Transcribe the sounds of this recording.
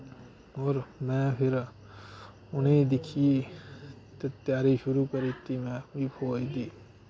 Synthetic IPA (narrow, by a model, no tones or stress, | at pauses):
ɔːɾmɛ̃ːpʰɪɾ | ʊned̪ɪkʰie | t̪et̪jaːɾiʃʊɾuːkəɾit̪imɛ̃ipʰoːid̪iː